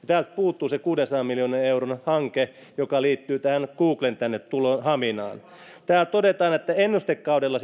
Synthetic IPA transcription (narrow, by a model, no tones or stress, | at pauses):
ɑt̪æːlt̪̚puːt̪ːuːsekuːdensɑːmmiljoːneneuronhɑŋke | jokɑliːt̪ːyːt̪æhænkuːklent̪ænːet̪t̪ulonhɑminɑ̰ːn | t̪æːlt̪odet̪ɑːnet̪ːæenːust̪ekːɑudelːɑ